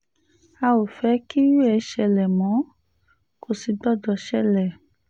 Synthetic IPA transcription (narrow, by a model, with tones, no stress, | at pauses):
a˧o˨fɛ˨˦ki˦ju˦ɛ˧ʃɛ˧lɛ˨mɔ̃˨˦ | ko˨si˧dɔ˦˨dɔ˧ʃɛ˦˨lɛ˦˨